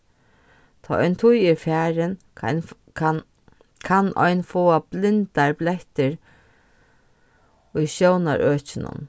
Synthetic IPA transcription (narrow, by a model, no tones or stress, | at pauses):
t̪ʰɔːʔɔjnt̪ʰʊjɪɾfæːɾɪn | kʰanʔɔ̰jnfoːablɪnt̪aɹblɛht̪ɪɾ | ʊjʃjowna̰ɹʔøːt͡ɕɪnʊ̰n